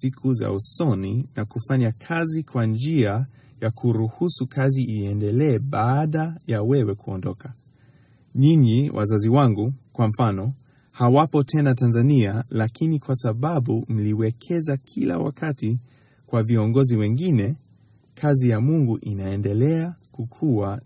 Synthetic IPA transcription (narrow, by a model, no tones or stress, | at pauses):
ikʰuza̰usɔninakufaɲakʰazikwand͡ʒia | jakuɾuhusukʰaziiɛndɛlɛːɓaːɗajawɛwɛkuɔ̰ndɔkḁ | ɲiɲiwʔa̰zaziwaŋɡukwam̩fanɔ | hawapɔtʰɛnatanzanialakinikwasaɓaɓum̩liwɛkʰɛzakʰila̰wa̰kʰati | kwaviɔŋɡɔziwɛŋɡinɛ | kʰazijamuŋɡuʔinaɛndɛlɛakukʰua